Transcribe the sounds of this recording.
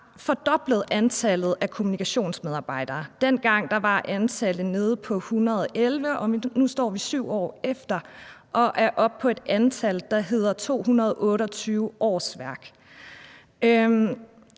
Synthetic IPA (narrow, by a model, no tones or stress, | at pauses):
fɒ̽d̥ɒ̽b̥ləð̞̩ˠænt͡sʰælð̩ˠækʰo̝munikʰæɕo̝̰ːnsmeðˠɑ̈ːb̥ɑ̈ɪ̰d̥ɐːd̥en̰ɡ̥ɑ̈ŋ̰d̥ɑ̈ʋɑ̈ʔænt͡sʰæləðne̝ð̞ˠpʰɒ̽hunɐð̞ˠʔelʋəʔɒ̽nusd̥ɒ̰ːʋisyʊ̰ɒ̰ːefd̥ɐʔɒ̽ʔæɐʔɒ̽b̥̚pʰɒ̽e̝d̥ænt͡sʰæld̥ɑ̈ɦe̝ð̰ˠɐt͡sʰo̝̰ːhunɐð̞ˠɔ̽ːɾəɒ̽t͡sʰyːʊʔɒ̰ːsʋæɐɡ̥